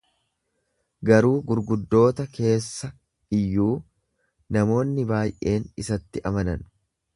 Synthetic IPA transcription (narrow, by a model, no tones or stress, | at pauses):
ɡɐɾuːɡʊɾɡʊd̪ːo̞ːt̪ɐkʰe̞ːsːɐ | ɪjːuː | nɐmo̞ːnːɪbaːjʔe̞ːnɪsɐt̪ːɪʔɐmɐnɐn